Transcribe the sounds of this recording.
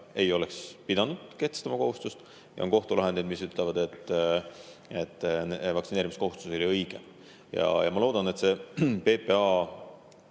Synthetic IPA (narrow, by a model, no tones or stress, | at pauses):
e̞jo̞lekspid̪̥ɑnud̪̥ke̞ht̪est̪ɑmɑko̞ɦust̪ust̪ | jɑ̰o̰nko̞ht̪ulɑɦed̪ejd̪misyt̪ˑlevɑd̪̥e̞t̪ː | et̪ːnvɑksineɾimisko̞ɦust̪uso̞liɤjɡ̥e | jɑ̰jɑmɑlo̞ːd̪̥ɑne̞t̪se̞pe̞peɑ